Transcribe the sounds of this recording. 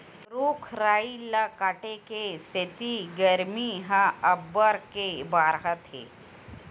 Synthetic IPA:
ɾoːkʰɾaːilɐkaːʈekeset̪iɡɐɾmiɦɐɐbːəɾkebaːɾɦət̪ɦḛː

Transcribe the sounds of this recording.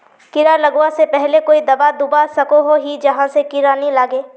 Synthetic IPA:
kɪɾalɐɡwasepɛɦlekoːid̪ɐbad̪ʊbasɐkoɦoɦid͡ʒɐɦãsekɪɾaːnilaːɡeː

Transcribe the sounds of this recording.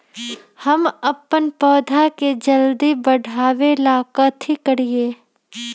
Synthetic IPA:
hɐmɐpːənpɔːd̪ʱaked͡ʒɐld̪ibɐɽʱaːʋelaːkət̪ʰikəɾieː

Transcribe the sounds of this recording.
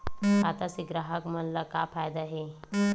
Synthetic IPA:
at̪asiɡɾaɦəkmənlaka̰pʰajd̪aɦe

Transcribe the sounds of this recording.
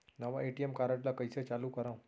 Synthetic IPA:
nəʋaeʈiemkaɾəʈlakəjset͡saluːkəɾãw̃

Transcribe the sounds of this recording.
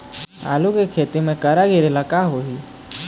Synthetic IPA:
a̰ːlukekʰeːt̪imẽkəɾaɡeɾelakaːɦoɦi

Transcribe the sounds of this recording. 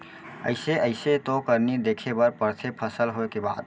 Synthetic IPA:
ə̰ɪseəɪset̪okəɾnid̪ekʰebəɾpəɾt̪ʰepʰəsəlɦoekeba̰d̪̚

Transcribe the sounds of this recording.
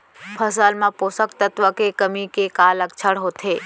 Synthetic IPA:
pʰəsəlmãpoːsəkt̪ət̪ʋəkekəmikekaːlək̚t͡ʃʰəɽɦoːt̪ʰɦeː

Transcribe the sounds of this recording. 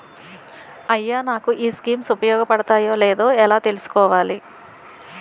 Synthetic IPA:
ɐjːaːnaːkuʔiːskiːmsupɐjɔːɡɐpɐɽɐt̪aːjo̞ːleːd̪o̞ːɛlaːt̪e̞lusu̥kɔːʋaːli

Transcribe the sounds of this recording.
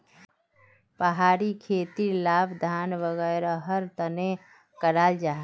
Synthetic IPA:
pəɦaːɾikʰeːt̪ilaːbd̪ʱaːnʋəɣɛːɾaɦəɾt̪əne | kəɾaːld͡ʒaː

